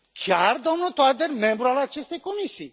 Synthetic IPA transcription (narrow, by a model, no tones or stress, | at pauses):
kʰjaɾd̪ɔmnɔt̪ɔad̪eɾmẽmbɾɔalat͡ʃest̪ekonisi